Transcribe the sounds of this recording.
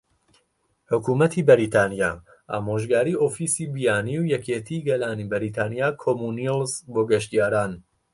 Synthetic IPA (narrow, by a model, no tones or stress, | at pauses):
ħʊkuːmɐt̪ʰibɐɾiːt̪ʰaːnija̰ | ʔaːmoːʒɡaːɾiːoːfiːsiːbijaːniwjɛkʰeːt̪ʰiɡɐlaːnibɐɾit̪ʰaːnijaːkʰoːmunilzboːɡɐʃt̪ijaːɾaːn